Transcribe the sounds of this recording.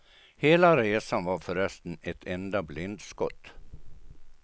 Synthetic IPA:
heːlaɾeːsanvaɾfœɾœst̪ənɛt̪ʰɛnd̪ablɪnt̪skɔ̰t̪ː

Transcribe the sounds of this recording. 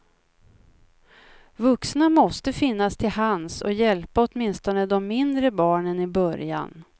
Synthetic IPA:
vɵksnamɔst̪əfɪnːast̪ʰɪlhansɔ̰jɛlpaɔt̪mɪnst̪ɔnəd̪ɔmːɪnd̪ɾəbɑːɳənɪbœɾja̰n

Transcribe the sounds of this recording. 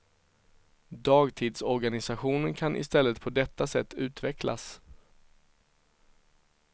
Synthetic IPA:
d̪ɑːɡt̪ʰiːd̪sɔɾɡanɪsaɧuːnənkʰanʔɪ̰st̪ɛlːət̪̚pʰɔd̪ɛt̪ːasɛt̪ːʉ̟ːt̪vɛklʔa̰s

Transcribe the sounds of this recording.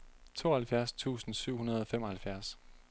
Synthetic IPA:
t͡sʰo̝̰ːɐhælfjæɐst͡sʰṵːsn̩syʊ̰ɦunɐð̞ˠɒ̽femɒ̽hælfjæɐs

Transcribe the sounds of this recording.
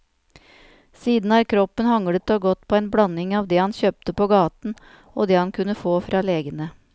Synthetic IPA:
siːd̪n̩æːɾkʰɾɔpːənhɑŋɽət̪oːɡɔt̪pʰoːɛːnbɽɑnɪŋɑːʋd̪ɛhɑnçøːp̚t̪əpoːɡɑːt̪n̩ | oːd̪ɛːhɑnkʰʉnːəfoːfɾɑːleːɡənə

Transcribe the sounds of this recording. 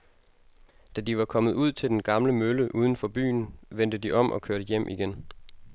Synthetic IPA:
d̥æd̥iʋɑ̈kʰɒ̽mð̩ˠuð̞̰ˠt͡sʰe̝ld̥enɡ̥ɑ̈mləmøləʔuːð̞ˠn̩fɒ̽b̥y̰ːnʋen̰d̥əd̥iʔɒ̽m̰ʔɒ̽kʰøɐɾ̥əjem̰ʔiɡ̥en

